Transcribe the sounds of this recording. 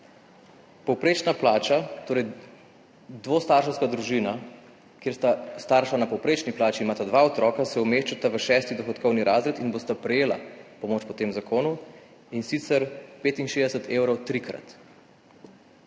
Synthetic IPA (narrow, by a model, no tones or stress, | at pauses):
pɔwpɾeːt͡ʃnaplaːt͡ʃat̪oːɾɛj | d̪ʋoːst̪aːɾʃɛwskad̪ɾuʒina | kjeːɾst̪ast̪aɾʃanapɔwpɾet͡ʃniplaːt͡ʃiːmaːt̪ad̪ʋaɔt̪ɾɔːkasɛɔmeːʃt͡ʃat̪aʋəʃɛːst̪id̪ɔxɔt̪kɔwniɾʔa̰ːzɾet̪inbost̪apɾɛjeːla̰pɔmoːt͡ʃpɔt̪eːmzakoːnu | insit̪sɛɾpeːt̪inʃeːzd̪ɛsət̪ʰeːwɾɔwt̪ɾikɾa̰t̪